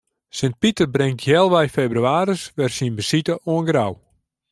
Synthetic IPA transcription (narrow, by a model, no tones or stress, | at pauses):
sənt̚pitərbrɪŋtjɛlˠʋɛjfeːbryaːɾəsʋɛrsinbəsitəʔoənɡraw